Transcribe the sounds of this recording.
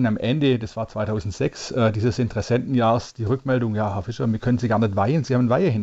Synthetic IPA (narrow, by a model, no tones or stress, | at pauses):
namʔɛndəd̥ɛsv̥aːɐt͡sv̥aɪtʰaʊzn̩tz̥ɛksʔɛːdiːzəsɪntəʁɛsɛntn̩jaːʁəsd̥iːʁʏkmɛldʊŋjaːɦɛɐfɪʃɐmiːɐkʰœnənziːɡaːɐnɛtv̥aɪənziːhaːbənvaɪəhɪn